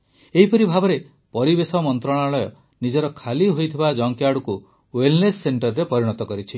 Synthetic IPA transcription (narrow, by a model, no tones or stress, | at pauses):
eɦipɔɾibʱabɔɾe | pɔɾibesɔmɔnt̪ɾɔɽ̃aɭɔjɔ | nid͡ʒɔɾɔkʰaliɦojt̪ʰibad͡ʒɔŋkjaɽuku | welnesːeɳʈɔɾːepɔɾiɽ̃ɔt̪ɔkɔɾit͡ʃʰi